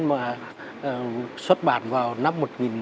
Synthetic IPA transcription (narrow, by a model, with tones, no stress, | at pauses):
maː˨˩˨ | swə˦˥t̚ɓa̰ː˧˩˨nvaː˨˩wna˦˥mːo˨˩t̚ŋi˨˩n